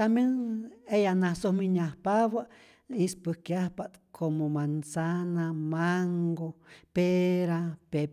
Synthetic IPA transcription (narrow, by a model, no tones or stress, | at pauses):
t̪ambjenejanasohmiɲahpaβa | ispɨhkjahpaʔt̪kʰomomansanamaŋɡopeɾape